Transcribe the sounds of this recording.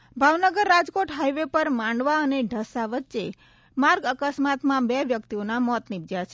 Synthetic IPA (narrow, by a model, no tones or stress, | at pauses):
bʱaʋnəɡəɾːad͡ʒkoʈɦajʋepəɾmãɳɖʋaəneɖʱəsaʋətːʃe | maɾɡəkəsmat̪mãbɛʋjək̚t̪ionamɔt̪nib̚d͡ʒat͡ʃʰe